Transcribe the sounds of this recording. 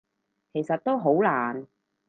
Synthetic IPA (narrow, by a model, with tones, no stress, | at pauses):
kʰe˨˩jsɐ˨t̚t̪o˥wɦo˨˥wlaː˨˩n